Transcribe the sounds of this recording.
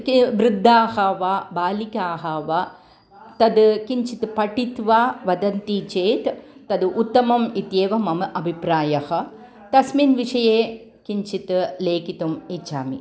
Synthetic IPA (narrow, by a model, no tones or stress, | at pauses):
kʋɾɪd̪ʱːaːhɐʋabaːlikaːɦɐʋɐ | t̪ɐd̪kiɲt͡ʃit̪pɐʈit̪ʋaːʋɐd̪ɐnt̪iːt͡ʃeːt̪ːɐd̪ɨʔut̪ːɐmɐmit̪jeːʋɐmɐmɐʔɐbʱipɾaːjɐhɐ̆ | t̪ɐsminʋiʂɐjeː | kiɲt͡ʃit̪leːkit̪umit͡ʃaːmi